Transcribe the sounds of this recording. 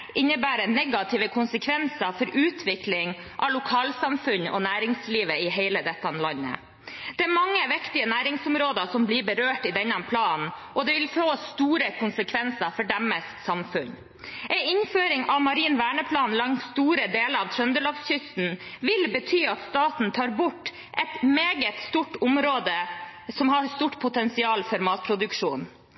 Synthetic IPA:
ʔɪnːəbæːɾənɛɡɑt̪ʰɪʋəkʰʊnsəkʰʋɛnsəɾfɔɾʉːt̪ʰʋɪklɪŋ | ʔɑ̰lʊkʰɑːlsɑmfʉnːɔ̰næːɾɪŋsliːʋəɪɦeɪləd̪ɛt̪ːɑnlɑnːə̰ | d̪̥ɛæɾmɑŋːəʋɪkt̪ɪənæːɾɪŋsʊmɾoːd̪əsɔmbliːbəɾøːʈɪd̪ɛnːɑnpʰlɑːnʔɔd̪ɛʋɪlfoːst̪uːɾəkʰʊnsəkʰʋɛnsəɾfɔɖɛmːəsksɑmfʉɲ | ʔɛɪɪnføːɾɪŋɑʋmɑɾiːnʋæːɳəpʰlɑːnlɑŋsst̪uːɾəd̪eːləɾɑʋt̪ʰɾœnd̪əloːpsɕʏst̪n̩ʋɪlbət̪ʰyːɑt̪st̪ɑːt̪n̩t̪ʰɑːɾbʊʈː | ʔɛt̪meːɡət̪st̪uːʈːʊmɾoːd̪əsɔmhɑɾst̪uːʈpʰʊt̪ɛnsɪɑːlfɔɾmɑːt̪̚pʰɾʊd̪ʉkʂuːn

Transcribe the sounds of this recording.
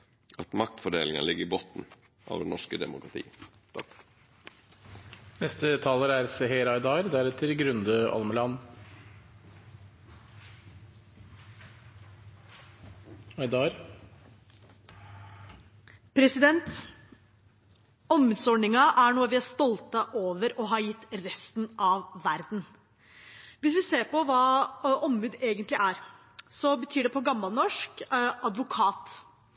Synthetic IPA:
ɑt̪mɑkt̪fɔɖḛːlɪŋə̰lɪɡəɾɪboːt̪n̩ | ʔɑ̰ːʋd̪ɛnɔʂkəd̪ɛ̰mʊkɾɑt̪ʰḭːə | nɛst̪ət̪ʰɑːləɾæːɾseɦeːɾɑɪd̪ɑːɾd̪æɾɛt̪ʰəɾɡɾʉnd̪əʔɑ̰lməlɑːn | ɑɪd̪ɑɾ | pʰɾɛsɪd̪ɛnt̪ | ɔmːʉːd̪sɔɖɳɪŋɑʔæɳuːɑʋɪæst̪ɔlt̪ɑʔoːʋəɾɔɦɑːɾjɪt̪ːɾɛst̪n̩ɑʋʋæɾd̪n̩ | ʋɪsʋɪseːɾpɔʋɑːɔmːʉːd̪eːɡənt̪lɪʔæɾ | sɔbət̪ʰyːɖɛpʰɔɡɑmːɑlnɔʂkʔɑd̪ʋʊkʰɑːt̪

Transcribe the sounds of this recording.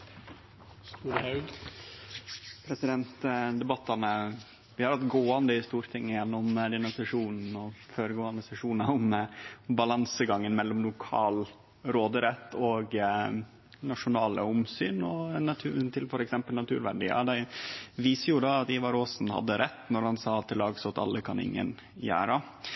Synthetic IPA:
st̪uːɾəhɑʉɡ | pʰɾɛsɪd̪ɛnt̪d̪ɛbɑt̪ːɑnə | ʋɪhɑɾɑt̪ɡoːɑnd̪əɪst̪uːɾt̪ʰɪŋːəjɛnːɔmd̪ɛnʊnsɑʂuːnn̩ɔføːɾəɡoːɑnd̪əsɛʂuːnɑʊmbɑlɑnsəɡɑŋːənmɛlːɔmlʊkʰɑ̰ːl | ɾoːd̪əɾɛt̪ːɔɡ | nɑʂʊnɑːlə̰ʊmsyːnɔnɑt̪ʰʉːt̪ʰɪlfɔɾɛksɛmpəlnɑt̪ʰʉ̰ːɾʋæɖḭːɑ̰d̪æʋiːsəjʊd̪ɑːt̪iːʋɑɾoːsnhɑ̰d̪ːəɾɛt̪ːnɔɾhɑnsɑːɑt̪ʰːɪlɑːɡsɔt̪ɑ̰lːəkʰɑnɪ̰ŋːə̰n | jæ̰ːɾə

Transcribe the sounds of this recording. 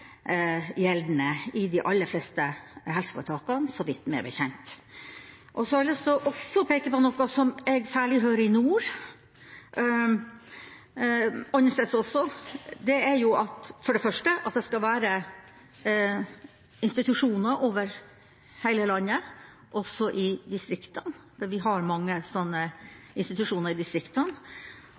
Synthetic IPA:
jɛld̪nəɪd̪ɪʔɑlːəɾflɛst̪əhɛlsə̥fo̰ːʈ̪ʰɑːkɑnsɔʋɪt̪ːmɛ̰ɾbəçɛnt̪ | ʔɔsɔləsɔʔɔsːɔpʰeːkəpɔnɔkːɑsɔmɛɡsæːɭɪɦøːɾəɪnuːɾ | ɔnːəʂesɔsːɔd̪ɛæɾjʊʔɑt̪fɔɖɛfœʂʈəʔɑt̪̚d̪ɛskɑlʋæːɾə | ɪnst̪ɪt̪ʉʂuːnəɾʔoːʋəɾ | hæɪləlɑnːə | ʔɔsːɔʔɪd̪ɪst̪ɾɪkt̪ənd̪ɛʋɪɦɑɾmɑŋːəsɔnːə | ɪnst̪ɪt̪ʉʂuːnəɾɪd̪ɪst̪ɾɪkt̪ən

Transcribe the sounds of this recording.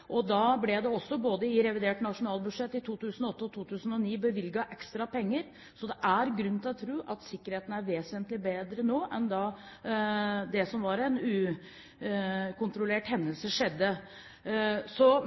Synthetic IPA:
ʔɔd̪ɑblɛd̪ɛɔsːɔboːd̪əɪɾɛʋɪd̪eːʈnɑʂʊnɑːlbʉd̪ʂɛt̪ːɪt̪ʰuːt̪ʉːsnɔɔt̪ːəɔt̪ʰuːt̪ʉːsn̩ɔniːbəʋɪlɡɑʔɛkst̪ɾɑpɛŋːəɾ | sɔd̪ɛʔæɾɡɾʉnɪlɔt̪ʰɾuːʔɑt̪sɪkːəɾheːt̪n̩æɾʋeːsənt̪lɪbeːd̪ɾənoːʔɛnd̪ɑ | d̪ɛsɔmʋɑɾɛnʉː | kʊnt̪ɾʊleːʈhɛnːəlsəʂɛd̪ːə | sɔ

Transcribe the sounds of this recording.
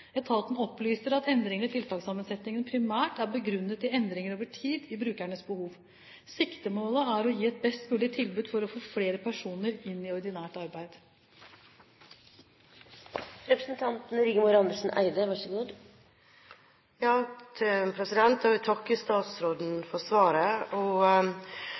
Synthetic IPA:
ɛt̪ʰɑlt̪n̩ɔplyːsəɾɑt̪ɛnd̪ɾɪŋənəɪt̪ʰɪlt̪ʰɑːɡsɑmːənsɛt̪nɪŋənpʰɾɪmæːʈæɾbəɡɾʉnːət̪ɪɛnd̪ɾɪŋəɾoːʋəʈʰiːd̪ɪbɾʉːkæɳəsbəhuːʋ | sɪkt̪əmoːləæɾɔjiːɛt̪̚bɛst̪mʉːlɪt̪ʰɪlbʉːd̪fɔɾɔfoːfleːɾəpʰæʂuːnəɾɪnːɪɔɾd̪ɪnæːʈɑɾbæɪd̪̥ | ɾɛpɾəsənt̪ʰɑnt̪n̩ɾiːɡəmʊɾɑnd̪əʂn̩ʔæ̰ɪd̪əʋɑʂəɡuːd̪ | jɑːt̪ʰpʰɾɛsɪd̪ɛnt̪hɑʋɪt̪ʰɑkːəst̪ɑːt̪sɾoːd̪n̩fɔsʋɑːɾəɔ

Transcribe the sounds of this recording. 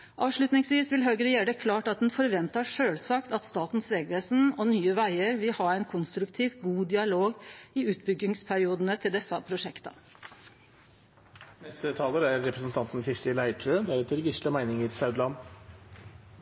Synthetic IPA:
ʔɑːʋʂɭʉt̪nɪŋsʋiːsʋɪlɦœʏɡəɾjæːɖəkʰlɑːʈɑt̪̚d̪ɛnfɔɾʋɛnt̪ɑʂøːlsɑːkt̪ɑt̪st̪ɑːt̪n̩sʋeːɡʋeːsn̩ɔnyːəʋæɪəɾʋɪlhɑɾæɪnkʰʊnst̪ɾʉkt̪ʰiːʋɡuːd̪ɪɑloːɡɪʉːt̪bʏɡːɪŋspʰæɾɪuːd̪ənət̪ʰɪld̪ɛsːɑpʰɾʊʂɛkt̪ɑ̰ | nɛst̪ət̪ʰɑːləɾæɾːɛpɾəsn̩t̪ʰɑnt̪n̩çɪʂʈɪlæɪʈʰʉəd̪æɾɛt̪əɾɡɪʂəmæɪnɪŋəɾsɑʉd̪lɑn

